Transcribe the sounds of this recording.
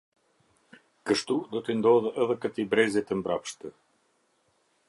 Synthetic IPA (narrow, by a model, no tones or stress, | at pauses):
kəʃt̪ud̪ɔt̪ənd̪ɔðɛɛðɛkət̪ibɾɛzɛt̪əmbɾapʃt̪ə